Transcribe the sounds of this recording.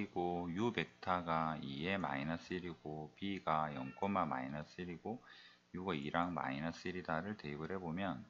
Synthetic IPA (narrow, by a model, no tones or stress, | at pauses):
iɡojube̞k̚tʰaɡaie̞ma̰inas͈ɯɾiɡopiɡajʌ̰ŋk͈ʰonmama̰inas͈ɯɾiɡo | juɡaiɾaŋma̰inas͈ɯɾidaɾɯɭteɡɯɾɦe̞bomjʌn